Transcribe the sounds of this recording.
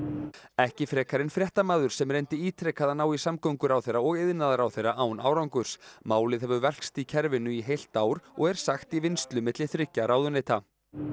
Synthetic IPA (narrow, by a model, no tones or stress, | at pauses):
ɛhcɪfɾɛːkaɾɪnfɾjɛht̪amaːðʏɾ̥sɛmɾejnt̪ɪiːt̪ʰɾɛkaðanaːwisamkowŋkʏɾawθejɾaɔɣɪðnaðaɾawθejrːaʔaːwna̰ːwɾawŋkʏɾ̥smaːwlɪðhɛvʏvɛl̥kst̪icʰɛɾvɪnʏiɦejl̥t̪aːwɾɔɣɛɾ̥saxt̪ivɪnst̪lʏmɪt̪lɪθɾɪhcːaɾaːwðʏnejt̪a